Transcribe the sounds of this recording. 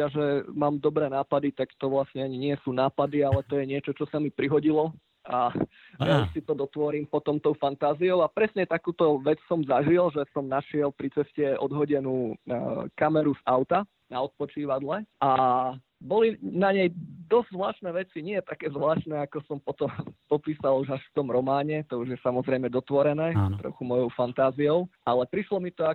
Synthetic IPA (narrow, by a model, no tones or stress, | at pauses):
aʒɛmaːmd̪ɔbɾɛːnaːpad̪it̪akt̪ɔʋlasɲɛaɲiɲɪɛsuːnaːpad̪ialɛt̪ɔjɛɲɪɛt͡ʃɔt͡ʃɔsamipɾiɦɔɟilɔ | a | sit̪ɔd̪ɔt̪ʋɔɾimpɔt̪ɔmt̪ɔʊfant̪aːziɔʊapɾɛsɲɛt̪akuːt̪ɔʋɛt͡ssɔmzaʒilʒɛsɔmnaʃɪɛlpɾit͡sɛscɛɔ̰d̪ɦɔɟɛnuː | kamɛɾuzaʊt̪a | naɔt̪̚pɔt͡ʃiːʋad̪lɛʔa | bɔlinaɲɛjd̪ɔz̥zʋlaːʃnɛːʋɛt͡siɲɪɛt̪akɛːzlaːʃnɛakɔsɔmpɔt̪ɔmpɔpiːsaluʒaʃft̪ɔmɾɔmaːɲɛt̪ɔuʒjɛsamɔzɾɛjmɛd̪ɔt̪ʋɔɾɛnɛːt̪ɾɔ̰xumɔjɔʊfant̪aːziɔʊʔalɛpɾiʃlɔmit̪ɔa